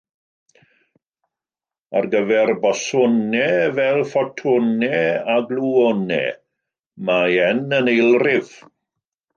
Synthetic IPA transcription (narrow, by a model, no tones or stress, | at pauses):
a̰rɡəvɛrbɔsɔnɛvɛlˠfɔtʰʊnɛaɡluɔnɛ̰ | majɛnənejlˠrɪv̥